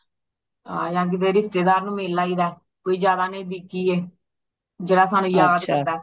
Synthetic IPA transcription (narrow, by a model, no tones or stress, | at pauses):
aːjãːk̬ɪd̪eːɾɪst̪eːd̪aːɾnũːmeːlːaːiːd̪aːɛ | koːiːd͡ʒjaːd̪aːnẽːd̪iːkiːeː | d͡ʒeːɽaːsaːnũːjaːaːsəɾd̪aː